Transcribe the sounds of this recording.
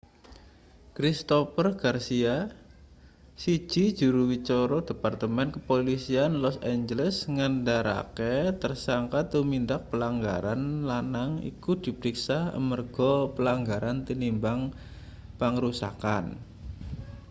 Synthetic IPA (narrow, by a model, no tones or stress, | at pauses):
kɾist̪opərɡ̥arsia | si̥ʒ̥i̤d̥ʒ̥ṳɾuwit͡ʃɔɾɔd̥e̤part̪əmɛnkəpolisianlɔsɛɲd͡ʒələsŋandaɾa̰ket̪ərsaŋkat̪umind̪ak̚pəlaŋɡaɾanlanaŋḭkud̥i̤pəɾiksahə̰mərɡ̥ɔpəlaŋɡaɾant̪inimbaŋ | pəŋəɾusa̰kan